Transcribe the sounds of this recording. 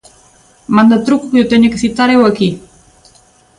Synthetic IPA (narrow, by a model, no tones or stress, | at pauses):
mand̪at̪ɾukukjut̪eɲakəsit̪aɾewaki